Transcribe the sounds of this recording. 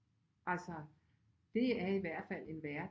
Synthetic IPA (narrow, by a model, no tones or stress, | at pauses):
ʔælsɒ | d̥e̝æɐiʋæɐ̰d̥fæl̰e̝nʋæɐ